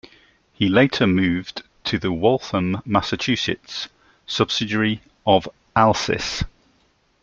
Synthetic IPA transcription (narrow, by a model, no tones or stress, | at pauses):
hileɪtʰəmʉːvtʰəðəwɔlˠθə̃mːasət͡ʃʰʉˑsɪ̰ts | səb̥sɪd͡ʒəɹi | əv | alˠsɪ̰s